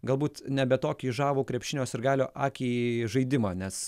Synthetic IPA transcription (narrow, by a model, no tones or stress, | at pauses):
ɡɐlˠbuːt̪nʲɛbʲɛt̪oːkʲiːʒɑːʋuːkɾʲɛpʲʃʲɪnʲoːsɪɾɡɑːlʲoːʔɑːkʲiːʒɐɪd̪ʲɪmɑːnʲɛs